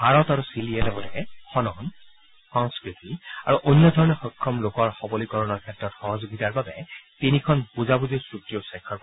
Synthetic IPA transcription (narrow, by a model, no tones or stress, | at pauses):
bʱaɹɔtaɹusiliɛlɔbɔlɛxɔnɔn | xɔŋskɹitia̰ɹuʔonjɔdʱɔɹɔnɛxɔkʰːɔmlokɔɹxɔbɔlikɔɹɔnɔɹkʰɛtɹɔtxɔɦɔzoɡitaɹbabɛtinikʰɔnpuzabuzisɹutijɔsɛkʰːɔɹk